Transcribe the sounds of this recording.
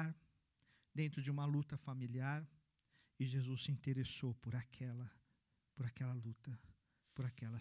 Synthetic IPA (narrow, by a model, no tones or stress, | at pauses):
aɾ | d̪ẽnt̪ɾʊd͡ʒɪũmɐlut̪ɐfamiliaɾ | ɪʒezusːɪĩt̪eɾesowpʊɾakʰɛlɐ | pʊɾakɛlɐlut̪ɐ | pʊɾakɛlɐ